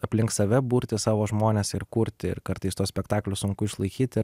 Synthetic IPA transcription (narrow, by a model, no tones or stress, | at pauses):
ɐpʲlʲɪŋkssɐʋʲɛbuːɾʲt̪ʲɪsɑːʋoːʒmoːnʲeːsɪɾkuɾʲt̪ʲɪɪ̰ɾkɐɾt̪ɐɪst̪uɔsʲpʲɛkt̪ɑːklʲʊssʊŋkʊɪʃlˠɐɪkʲiːt̪ʲɪɾ